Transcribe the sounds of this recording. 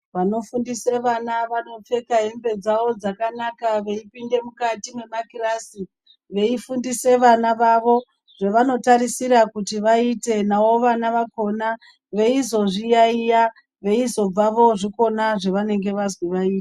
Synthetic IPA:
ʋano̞fundise̞ʋanaʋano̞p͡fe̞kaɦembe̞d͡zaʋo̞d͡zakanakaʋe̞ipinde̞mukatimwe̞makirasi | ʋe̞ifundise̞ʋanaʋaʋo̞ | ʐ̥e̞ʋano̞taɾisiɾakutiʋaite̞nawo̞ʋanaʋako̞na | ʋe̞izo̞ʐijaija | ʋe̞izo̞b͡vaʋo̞ʐiko̞naʐeʋane̞ŋɡe̞ʋazwiʋaiːte

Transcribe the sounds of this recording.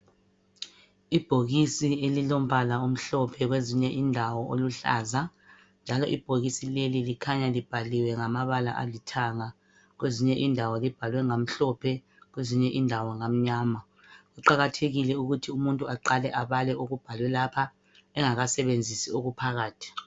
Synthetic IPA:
ib̥ʱoɣisielilom̩bʱalaum̩ɬɔpʰɛɣweziɲɛʔindʱawɔʔoluɬa̰ːza | nd͡ʒʱalɔʔib̥ʱoɣisilelilikʰaɲalib̥ʱaliwɛŋamaβala̰ʔa̰litʰaŋa | ɣweziɲɛʔindʱawɔlib̥ʱalwɛŋam̩ɬɔpʰɛ | ɣweziɲɛʔindʱawɔŋam̩ɲaːma | ɣuǃaɣatʰeɣilɛuɣutʰiumuntʼuaǃalɛʔaβalɛʔoɣub̥ʱalwɛlapʰa | ɛŋaɣasɛβend͡zʱisioɣupʰaɣaːtʰi̥

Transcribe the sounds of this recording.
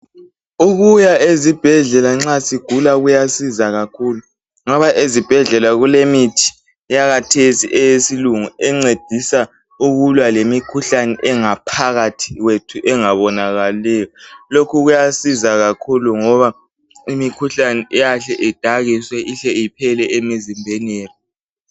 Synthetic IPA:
uɣujaezib̥ʱɛɮɛlaŋ͡ǁasiɡ̥ʱulaɣujasizaɣakʰulu | ŋɔβaʔezib̥ʱɛɮɛlaɣulemitʰi̥ | jaɣatʰesiʔɛjesiluŋuɛŋ͡ǀed̥ʱisa | uɣulwalemikʰuɬanɛʔɛŋapʰaɣatʰi̥ɣwetʰuʔɛŋaβɔnaɣalɛːjɔlokʰuɣujasizaɣakʰuluŋɔβa | imikʰuɬanɛʔɛjaɬɛʔɛd̥ʱaɣiswɛʔiɬɛipʰɛlɛemizimbʱɛnɛːri

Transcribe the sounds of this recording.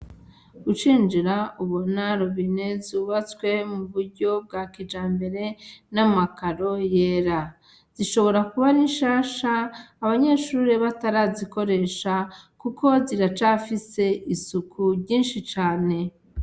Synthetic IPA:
ut͡ʃiːnd͡ʒiɾauβonaɾoβine̞zuːβat͡swe̞muβuɾɟo̞b̚ɡaːkid͡ʒaːmbe̞ɾe̞namakaɾo̞jeːɾa | z̥iʃo̞βo̞ɾakuβaniʃaːʃaːβaɲe̞ʃuːɾeβataɾaziko̞ɾe̞ʃakuko̞ziɾat͡ʃafise̞ʔisukʰuɾɟiːnʃit͡ʃaːne̞

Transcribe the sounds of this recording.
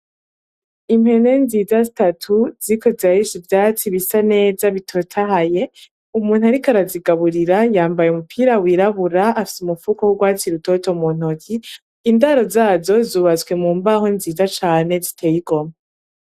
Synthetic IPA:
im̥he̞ne̞nziːzazitatʰuziikʰo̞zajiʃivjaːt͡siβisane̞ːzaβitʰo̞tʰahaje̞ | umuːn̥uhaɾikaɾaziɡaβuɾiɾajaːmbajeumupʰiːɾawiːɾaβuɾaafi̥sumufukowuɡwaːt͡siɾuto̞to̞mun̥okʰi | indaːɾo̞zaːzo̞zuːβazwe̞muːmbaho̞nziːzat͡ʃaːne̞zitʰe̞ːjiɡo̞ma

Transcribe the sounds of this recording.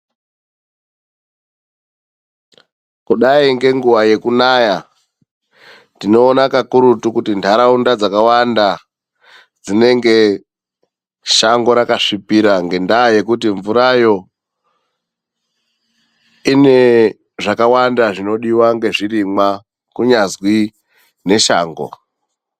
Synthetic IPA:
kuɗaiŋɡe̞ŋɡuʋaje̞kunaja | tino̞ːnakakuɾutukutindʰʱaɾaundad͡zakawanda | d͡zine̞ŋɡe̞ | ʃaŋɡo̞ɾakaʂipiɾaŋɡe̞ndaje̞kutiɱvuɾajo̞ | ine̞ | ʐakawandaʐino̞ɗiwaŋɡe̞ʐirimwa | kuɲazwi | ne̞ʃa̰ːŋɡo̰

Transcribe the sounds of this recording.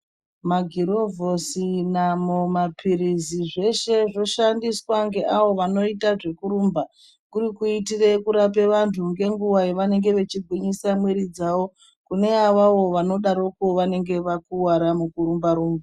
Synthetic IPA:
maɡʱiɾo̞vo̞sinamuomapʰiɾiziʐe̞ʃe̞ʐo̞ʃandiswaŋɡe̞ʔaʋo̞ʋano̞itaʐe̞kuɾuːmba | kuɾikuitire̞kuɾap̬e̞ʋantʰuŋɡe̞ŋɡuwajeʋane̞ŋɡe̞ʋe̞t͡ʃiɡʱwiɲisamweɾid͡zawo̞ | kune̞aʋaʋo̞ʋano̞ɗaɾo̞koʋane̞ŋɡe̞ʋakuwaɾamukuɾumbaɾuːmba

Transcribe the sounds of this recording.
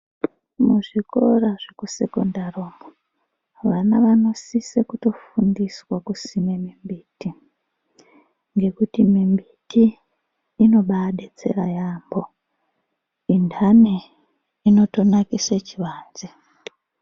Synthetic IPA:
muʐiko̞raʐekuse̞̰kondaroːmo | ʋanaʋano̞sisekuto̞fundiswakusimemimbiːti | ŋɡe̞kutimimbitiː | no̞ɓaɗet͡se̞̰ra̰jambo̞ | indʰane | ino̞to̞nakiset͡ʃiʋaːnze

